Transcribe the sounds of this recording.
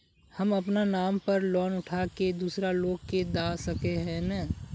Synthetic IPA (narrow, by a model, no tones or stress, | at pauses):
hɐmɐpnanaːmpɐɾlɔːnʊʈʰaːked̪uːsɾaloːɡ̚ked̪aːsɐkeɦɛ̃na